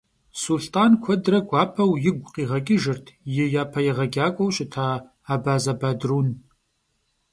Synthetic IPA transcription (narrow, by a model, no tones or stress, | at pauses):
sulɬtʼaːnkʷʰɔdrɐɡʷɑːpʰɐwjɪɡʷʼqiːʁɐkʲʼɪʒɪrtʰjɪjaːpʰɐjɪʁɐɡʲaːkʷʼɔwɕɪtʰaː | aːbaːzɐbaːdruːn